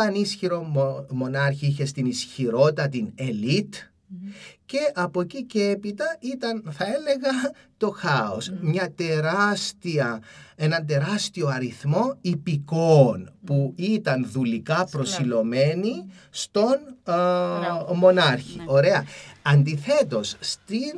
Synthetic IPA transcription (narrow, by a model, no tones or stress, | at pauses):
ɐnisçiɾo̞mo̞nɐɾçiiçe̞st̪inisçiɾo̞t̪ɐt̪ine̞lit̪ | ce̞ʔɐpo̞cicee̞pit̪ɐit̪ɐnθɐe̞le̞ɣɐ | t̪o̞xɐosmɲɐt̪eɾɐst̪iɐe̞nɐnt̪e̞ɾɐst̪io̞ɐɾiθmo̞ipikonpuit̪ɐnðulikɐpɾo̞silo̞me̞ni | st̪o̞n | mo̞nɐɾçiʔo̞ɾe̞ɐɐnd̪iθe̞t̪o̞sst̪in